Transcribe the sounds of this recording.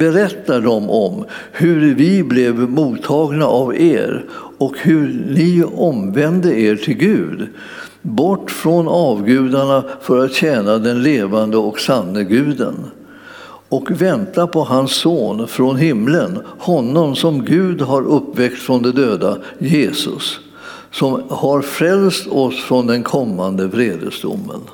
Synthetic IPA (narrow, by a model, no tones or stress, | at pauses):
bɛɾɛt̪ːaɖɔmʔɔm | hɵɾvɪblɛvmuːt̪ʰːɑːɡnaʔavḛːɾ | ɔkhɵnɪɔmvɛnd̪əeːʈʰɪlɡʉ̟ːd̪ | bɔʈːfɾɔnɑːvɡʉ̟ːd̪aɳafœɾat̪ɕɛːnad̪ɛnleːvand̪əɔksanːəɡʉ̟ːd̪ə̰n | ɔkvɛnt̪apʰɔɦansːoːnfɾɔnɦɪmːlənhɔnːɔmsɔmɡʉ̟ːd̪ɦaɾʔɵpːvɛk̚t̪fɾɔnd̪ɛd̪øːd̪a | jeːsɵ̰sː | ɔmhaɾfɾɛlst̪ɔsfɾɔnd̪ɛnkʰɔmːand̪əvɾeːd̪ə̰sd̪ʊ̰mːə̰n